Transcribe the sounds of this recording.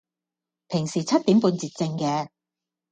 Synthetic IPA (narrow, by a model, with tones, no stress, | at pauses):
pʰɪ˨˩ŋsiː˨˩t͡sʰɐ˥t̪̚iː˨˥mpuː˧nt͡siː˨˧t̚t͡sɪ˧ŋkɛː˧